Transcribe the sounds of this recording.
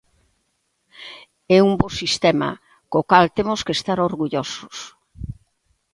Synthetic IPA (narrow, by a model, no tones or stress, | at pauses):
ɛumbosist̪ɛmɐ̰ | kokalt̪emʊskest̪aɾoɾɣuʎosʊs